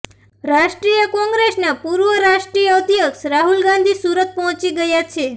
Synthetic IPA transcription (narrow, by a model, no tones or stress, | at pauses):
ɾaʃʈɾijəkɔ̃ŋɡɾesnapuɾʋəɾaʂʈɾijəəd̪ijəksɾaɦulɡãnd̪ʱisuɾət̪̚pɔɦt͡ʃiɡəjat͡ʃʰe